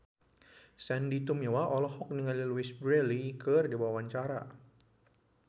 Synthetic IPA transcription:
sɛndit̪umiwaʔɔlɔhɔk̚niŋaliluisbɾɛlikərdibawawaɲt͡ʃaɾa̰

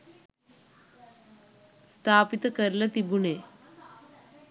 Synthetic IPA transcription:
st̪ʰaːpit̪ɐkɐɾilɐt̪ibune

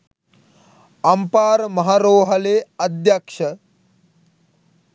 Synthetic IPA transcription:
ɐmpaːɾmɐɦaɾoːɦɐleːɐd̪jɐkʂɐ

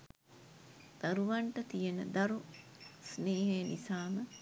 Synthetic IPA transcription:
d̪̥aɾuʋaɳʈət̪ijenə̰d̪ɐɾu | sneːɦejnisaːmə

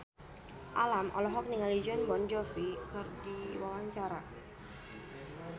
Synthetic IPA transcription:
ʔalamʔɔ̰lɔɦɔk̚niŋalid͡ʒɔnbɔnd͡ʒɔfikɨrdiwawaɲt͡ʃaɾa

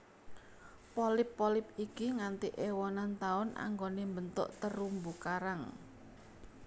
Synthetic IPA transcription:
polɪpːolɪp̚ikiŋant̪iʔewɔnant̪aʊna̰ŋɡonembənt̪ʊ̰ʔt̪əɾumbukaɾaŋ

